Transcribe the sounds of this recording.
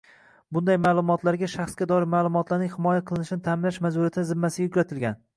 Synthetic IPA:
bʊnd̪ajmaːlˠʊmɒt̪ʰlaɾɡʲaʃaχsɡʲad̪ɒɾɪɾmaːlˠʊmɒt̪laɾnɪŋʲhɪmɒjaqʰɨlˠɪnɪʃɪnɪt̪ʰamɪlaʃmazʊɾiat̪ʰɪnɪzɪmːasɪɡʲajʊkʲɾat̪ʰɪlɡʲan

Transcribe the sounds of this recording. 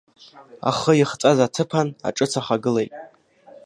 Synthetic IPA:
a̰χəjiχt͡sʼazatʰɨpʰana̰ʈ͡ʂʼɨt͡sʰaχaɡɨlejtʼ

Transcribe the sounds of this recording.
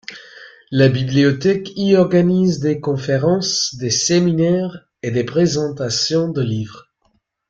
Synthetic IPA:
labibliɔt̪ɛkiɔʁɡanizd̪ekɔ̃feʁɑ̃sd̪eseminɛʁ | ed̪epχezɑ̃t̪asjɔ̃d̪əlivʁ

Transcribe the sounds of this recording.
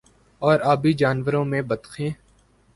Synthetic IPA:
ɔːɾaːbʱid͡ʒaːnʋəɾõːmẽbəd̪xʰẽː

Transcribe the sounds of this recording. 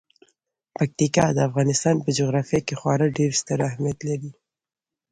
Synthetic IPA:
pak̚t̪ikɑd̪əafɣɑnɪst̪ɑnpəd͡ʒoɣɾɑfijakexwɑɾəɖeɾst̪əɾahmijat̪laɾi

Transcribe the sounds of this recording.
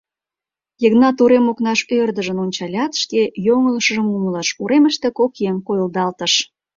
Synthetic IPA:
jəɣnɑt̪uɾemoknɑʃørd̪əʒənonʲt͡ɕɑlʲɑt̪ʃkejoŋələʃəʒəmumələʃuɾeməʃt̪ekokemkojəld̪ɑlt̪əʃ

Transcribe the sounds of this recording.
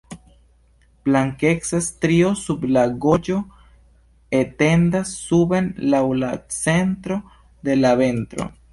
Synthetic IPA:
b̥laŋke̞ksastɾio̞sublaɡo̞d͡ʒo̞ | ete̞ndasːubenlawlat͡se̞ntɾo̞ | de̞lave̞ntɾo̞̰

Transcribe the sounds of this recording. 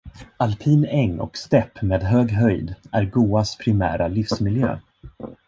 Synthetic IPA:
alpʰiːnɛŋːɔ̰kst̪ɛpːmeːd̪ɦøːɡɦœjd̪æɾɡuːaspʰɾɪmæ̰ːɾʔalɪfsmɪljø̰ː

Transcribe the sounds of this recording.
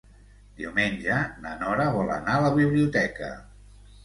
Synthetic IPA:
d̪iuwmenʲʒənənɔɾəβɔlə̰naələβiβliut̪ɛkə̰

